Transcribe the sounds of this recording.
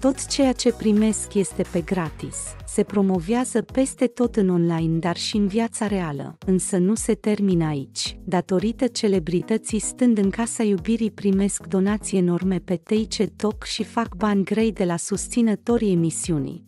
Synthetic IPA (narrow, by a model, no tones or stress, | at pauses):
t̪o̞t̪t͡ʃe̞jat͡ʃe̞pɾime̞skje̞st̪e̞pe̞ɡɾat̪isːe̞pɾo̞mo̞veazəpe̞st̪e̞t̪o̞t̪ɨno̞nlajnd̪arʃiɨnviat̪saɾe̞alə̰ɨnsənuse̞t̪e̞rminəait͡ʃʲd̪at̪o̞ɾit̪ət͡ʃe̞le̞bɾit̪ət̪sist̪ɨnd̪ɨŋkasajubiɾipɾime̞skd̪o̞nat̪sijeno̞rme̞pe̞t̪e̞jt͡ʃe̞t̪o̞kʃifakbanʲɡɾe̞jd̪e̞lasust̪sinət̪o̞ɾie̞misiunḭ